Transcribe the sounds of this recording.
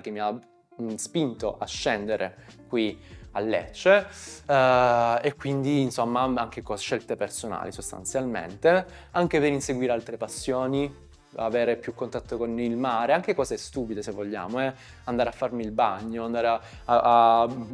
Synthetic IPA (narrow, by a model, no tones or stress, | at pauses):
k̟emːia | spint̪oʔaʃːɛnd̪eɾekwialːḛt͡ʃːe | ekːwind̪iːnsomːaaŋk̟ekɔʃːɛlt̪epersona̰ːlisost̪a̰nt̪sjalmḛnt̪e | aŋkeveɾinseɡwiːɾealt̪ɾepasːjoːni | a̰veːɾepjukːont̪at̪ːokonilmaːɾeaŋk̟ekɔːzeɛst̪uːpid̪esevːoʎːa̰ːmoɛ | and̪aːɾeafːarmilbaɲːoand̪aːɾea | aa